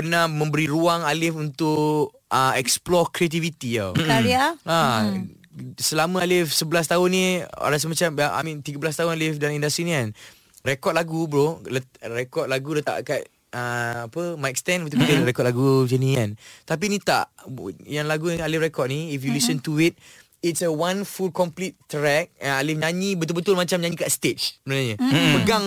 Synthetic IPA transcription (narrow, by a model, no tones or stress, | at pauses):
pənahmə̃mbəɾiɾuaŋalɪfunt̪ʊʔ | əɛksplɔkɾiat̪̬ivit̪ijakaɾiaa | səlamãalɪfsəbəlas̬t̪aʊnːĩa̰ɾas̬əmat͡ʃamaʔa̰mĩnt̪iɡəbəlast̪aɦʊnalɪfdalaĩndast̪ɾinĩan | rekɔt̪̚laɡubɾolətɾekɔt̪̚laɡulət̪a̰ʔkat̚ | əapəmajk̚st̪ɛ̃nbət̪ukit̪əɾekɔt̚laɡud͡ʒənĩant̪ap̬init̪a̰ʔjaŋlaɡualɪfrekɔt̚niifjulisənt̪uit̪̚ | itsəwanfulkɔmplitːɾɛk̚ɛnalɪfɲãɲibət̪̬ʊlbət̪ʊlmat͡ʃamɲãɲikaʔst̪et͡ʃmənaɲəməɡaŋ